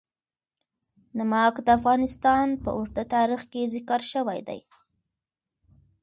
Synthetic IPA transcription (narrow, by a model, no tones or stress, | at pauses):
namɑkd̪əafɣɑnɪst̪ɑnpə̰ʔuɾd̪ət̪ɑɾixkezɪkɑɾʃəwajd̪a̰j